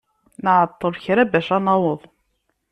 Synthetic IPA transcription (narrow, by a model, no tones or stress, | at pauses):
nəʕət̪ˤːəɾçɾæbæʃɑnɑwəðˤ